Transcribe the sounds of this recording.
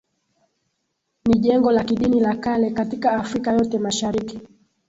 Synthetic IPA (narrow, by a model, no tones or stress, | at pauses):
niʄɛŋɡɔlakiɗinilakalɛkatikaːfɾikajɔtɛmaʃaɾiki̥